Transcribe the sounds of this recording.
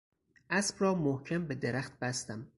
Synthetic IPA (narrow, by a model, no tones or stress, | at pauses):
ʔæsb̥rɒːmohcʰæmbed̪eɾæχt̪̚b̥æst̪æm